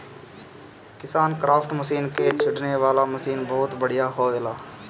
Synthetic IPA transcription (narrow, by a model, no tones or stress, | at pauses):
kɪsaːnkɾaːpʈməsiːnket͡ʃʰɪɖneʋaːlaməsiːnbɔːʊt̪bəɽ̤ɪjaɦoːeːlaː